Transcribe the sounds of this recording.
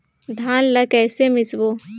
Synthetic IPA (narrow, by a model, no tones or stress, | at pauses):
d̪ʱaːnlɐkɛːsemɪsboː